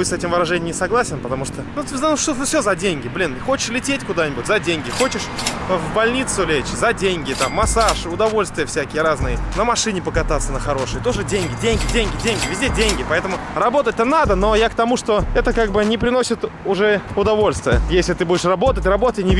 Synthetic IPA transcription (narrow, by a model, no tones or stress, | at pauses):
ɨsɛtʲɪmvəɾɐʐɛnʲɪmnʲɪsɐɡlˠasʲɪnpət̪ɐmuʂt̪onut̪ʲzanʊʂt̪onəfsʲozɐdʲenʲɡʲɪblʲinɨxo̞t͡ɕɪ̥ʂlʲɪtʲetʲkʊd̪anʲɪbʊtʲzɐdʲenʲɡʲɪxo̞t͡ɕɪʂvbɐlʲnʲit̪sʊlʲet͡ɕzɐdʲenʲɡʲɪt̪amːɐsaʂʊd̪ɐvo̞lʲst̪vʲɪjəfsʲækʲɪjəɾaznɨjənəmɐʂɨnʲɪpəkɐt̪at̪sːənəxɐɾo̞ʂɨjət̪o̞ʐɨdʲenʲɡʲɪdʲenʲɡʲɪdʲenʲɡʲɪdʲenʲɡʲɪvʲɪzʲdʲedʲenʲɡʲɪpɐɛt̪əmʊ | rɐbo̞t̪ət̚ʲt̪ənad̪əno̞jakt̪ɐmuʂt̪o̞ɛt̪əkaɡ̚bɨnʲɪpɾʲɪno̞sʲɪt̪ʊʐɛʊd̪ɐvo̞lʲst̪vʲɪjəjesʲlʲɪt̪ɨbudʲɪʂrɐbo̞t̪ətʲrɐbo̞t̪ətʲnʲɪvʲ